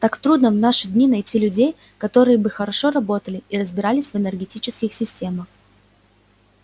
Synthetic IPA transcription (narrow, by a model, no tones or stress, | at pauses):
t̪akt̪ɾud̪nəvnaʂɨdʲnʲinɐjtʲilʲʉdʲej | kɐt̪o̞ɾɨjəbɨxəɾɐʂo̞ɾɐbo̞t̪əlʲɪiɾəzbʲɪɾalʲɪsʲvɨnʲərɡʲɪtʲit͡ɕɪskʲɪxsʲɪsʲtʲe̞məx